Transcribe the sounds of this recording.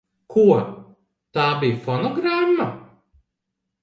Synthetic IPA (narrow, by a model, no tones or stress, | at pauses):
kʰu | t̪aːbʲijfɔnɔɡɾamːɐ